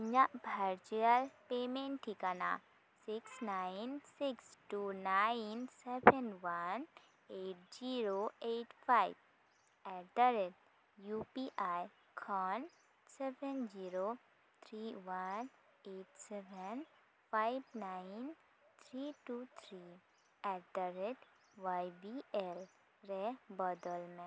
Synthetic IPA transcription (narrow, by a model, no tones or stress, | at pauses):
ɲaʔbʱaɾd͡ʒialpemẽɳʈʰːikana̰ | siksnajinsiksʈunajnsɛbʱɛnʋan | eʈ̚d͡ʒiɾoeʈfajb̚ | ɛʈəɾet̚ | jupiʔaj | kʰɔn | sɛbɛnd͡ʒiɾo | t̪ʰɾiwan | eʈsɛbʱɛn | fajbnain | t̪ʰɾiʈut̪ʰɾi | ɛɾd̪əɾet | ʋajbiʔel | ɾebɔd̪ɔlmɛ̃